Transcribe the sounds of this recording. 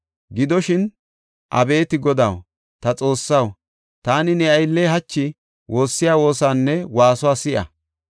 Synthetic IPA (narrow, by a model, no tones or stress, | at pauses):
ɡɪd̪ɔʃɪn | ʔɐ̰be̞ːt̪ɪɡɔd̪aw | t̪ɐt͡sʼo̞ːsːɐw | t̪aːnɪnɛɐjlːeːɦɐt͡ʃːɪ | wʔo̞ːsːɪjaːwo̞ːsaːnːɛwaːsʊwaːsɪʔɐ̰